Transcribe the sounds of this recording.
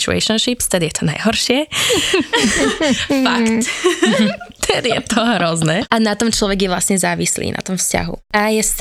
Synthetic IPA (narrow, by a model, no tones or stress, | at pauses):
t͡ʃuɛ̰ʃɔnʃipst̪ɛd̪ijɛt̪ʰɔna̰jɦɔɾʃɪɛ | fakt | t̪ʰɛd̪jɛt̪ɔɦɾɔznɛʔanat̪ɔmt͡ʃlɔʋɛɡjɛʋlasɲɛzaːʋislḭːna̰t̪ɔmfsca̰ɦṵajɛst̪